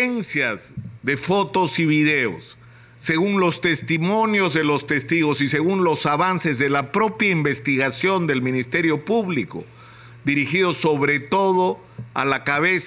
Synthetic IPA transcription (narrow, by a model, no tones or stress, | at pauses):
ensjazðe̞fo̞t̪o̞siβiðe̞o̰sː | e̞ɣunlo̞st̪e̞st̪imõ̞njo̞zðe̞lo̞st̪e̞st̪iɣosise̞ɣunlo̞saβanse̞zðe̞lapɾo̞pjaimbest̪iɣasjo̞nd̪e̞lmĩnist̪e̞ɾjo̞puβliko̰ | d̪iɾixiðoso̞βɾe̞t̪o̞ðo | a̰lakaβes